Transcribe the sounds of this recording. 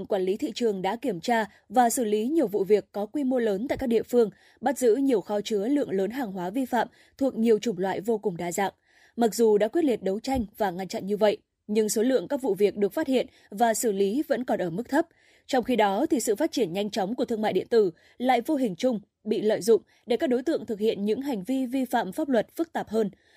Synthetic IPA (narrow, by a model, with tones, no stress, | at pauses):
ŋkwaː˧˩nli˨˦t̪ʰḭ˧˨t͡ɕɨ˨˩əŋɗa̰ː˧˥ki˧˩əmt͡ɕaː˧ | vaː˨˩sɨ˧˩li˨˦ɲi˨˩əwvṵ˧˨vi˨˩əkːɔ˨˦kwi˧mo˧ləː˨˦nt̪a̰ː˧˨kaː˦˥ɗḭ˧˨əfɨ˧əŋ | ɓa˦˥t̚zɨ̰˧˥ɲi˨˩əwxɔ˧t͡ɕɨ˨˦əlɨ̰˧˨əŋləː˨˦nɦaː˨˩ŋɦwaː˨˦vi˧fa̰ː˧˨m | t̪ʰu˨˩ək̚ɲi˨˩əwt͡ɕʊ˨˧˩ŋ͡mlwa̰ː˧˨jvo˧kʊ˨˩ŋ͡mɗaː˧˩za̰ː˧˨n | ma˨˩k̚zu˨˩ɗa̰ː˧˥kwi˦˥ət̚li˨˩t̚ɗə˨˦wt͡ɕa˧jŋ̟vaː˨˩ŋa˧nt͡ɕa̰˧˨nɲɨ˧və̰˧˨j | ɲɨ˧ŋso˨˦lɨ̰˧˨əŋkaː˦˥k̚vṵ˧˨vi˨˩ək̚ɗɨ˨˩ək̚faː˦˥t̚hḭ˧˨ən | vaː˨˩sɨ˧˩li˨˦və̰˧˥nkɔ˨˩nʔəː˧˩mɨ˦˥k̚t̪ʰə˦˥p̚ | t͡ɕɔ˧wŋ͡mxi˧ɗɔ˨˦t̪ʰi˨˩sɨ̰˧˨faː˦˥t̚t͡ɕi˧˩ənɲa˧jŋ̟t͡ɕɔ˨˦wŋ͡mku˧˩t̪ʰɨ˧əŋma̰˧˨jɗḭ˧˨ənt̪ɨ˧˩ | la̰ː˧˨jvo˧ɦï˨˩ŋ̟t͡ɕʊ˧ŋ͡m | ɓḭ˧˨lə̰ː˧˨jzʊ̰˧˨ŋ͡m | ɗe˧˩kaː˦˥k̚ɗo˨˦jt̪ɨ̰˧˨əŋt̪ʰɨ˨˩k̚hḭ˧˨ənɲɨ̰˧˥ŋɦa˨˩ŋ̟vi˧vi˧fa̰ː˧˨mfaː˦˥p̚lwə˨˩t̚fɨ˦˥k̚t̪aː˨˩p̚həː˧n